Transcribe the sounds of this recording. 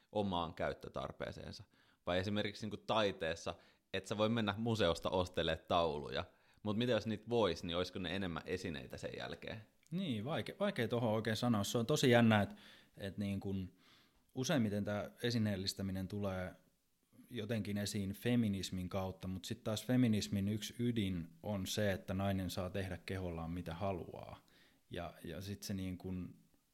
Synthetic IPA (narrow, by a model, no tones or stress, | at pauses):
ʔomɑːŋkæyt̪ːøt̪ɑ̰rpḛːsḛːnsɑ | ʋɑiesimerkiksniːŋkut̪ɑit̪eːsːɑ | et̪seʋoimenːæmuseost̪ɑ̰ʔost̪elˑeːt̪t̪ɑulṵjɑ̰ | mut̪mit̪eoisniːt̪ʋoisnioisʲkonḛenemːæ̰ʔesinḛit̪æsḛjæ̰lkḛːn | niːʋɑikeʋɑikeit̪ohooikeːsɑnoːsseont̪osijænːæet̪et̪niːŋkun | useimmit̪ent̪æːesineːlːist̪æminent̪uleː | jot̪eŋkinesiːnfeminismiŋkɑut̪ːɑmut̪sit̪t̪ɑːsfeminisminyksydinonseet̪ːænɑinensɑːt̪ehdækkeholːɑːmmit̪æhɑlṵɑ̰ː | jɑ̰jɑ̰sit̪seniːŋkun